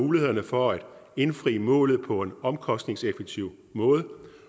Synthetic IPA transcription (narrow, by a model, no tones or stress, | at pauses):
uːlihe̝ð̰ˠɐnəfɒ̽æd̥e̝nfʁḭːəmɔ̰̽ːlð̞̩ˠpʰɒ̽e̝nɒ̽mkʰɒ̽sd̥ne̝ŋsefeɡ̥̚t͡sʰiʊ̰ | mɔ̽ːð̞ˠ